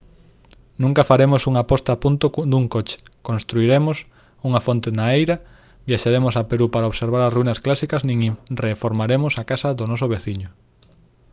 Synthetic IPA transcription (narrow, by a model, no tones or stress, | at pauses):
nũŋkɐfaɾemʊsuŋapɔst̪ɐpunt̪ʊd̪uŋkot͡ʃɪ̥kõnst̪ɾuiɾemʊs | uŋɐfont̪enaejɾɐ | bjaʃaɾemʊsapeɾupaɾaoβseɾβ̞aɾɐsruinɐsklasikɐznĩŋirefoɾmaɾemʊsakasɐðʊnɔsʊβeθiɲʊ